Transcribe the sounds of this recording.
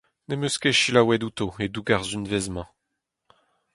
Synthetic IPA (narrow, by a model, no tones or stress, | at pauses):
nemøskeʃilawɛdut̪oed̪uɡaʁzynvɛzmɑ̃